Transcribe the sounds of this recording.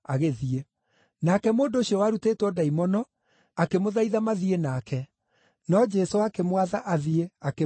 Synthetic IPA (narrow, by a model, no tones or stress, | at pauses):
aɣeðie | nakɛmoːndoːɕiɔwaːɾuteːtwɔdaimɔnɔ | akemoðaiðamaðienaːkɛ | nɔd͡ʒɛsoakemwaðaʔaðieake